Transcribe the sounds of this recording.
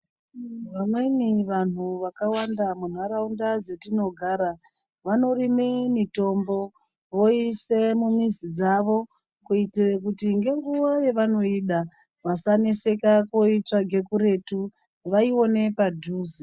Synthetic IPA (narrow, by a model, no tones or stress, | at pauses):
ʋamwe̞niʋan̤uʋakawandamun̤aɾaundad͡ze̞tino̞ɡʱaːɾa | ʋano̞rime̞mito̞mbo̞ | ʋo̞ise̞mumizid͡zaʋo̞ | kuiteekutiŋɡe̞ŋɡuʋaje̞ʋano̞iɗa | ʋasane̞se̞kako̞it͡ʂaɡʱe̞kuɾe̞tu | ʋaio̞ne̞padʱuːzi